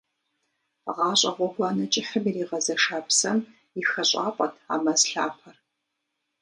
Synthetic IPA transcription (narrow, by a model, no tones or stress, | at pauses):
ʁɑːɕʼɐʁʷɔɡʷɑːnɐt͡ʃʼɪħəmiriːʁɐzɐʂaːpʰsɐm | ixɐɕʼɑ̰ːpʼɐ̰tʰa̰ːmɐzɬaːpʰɐr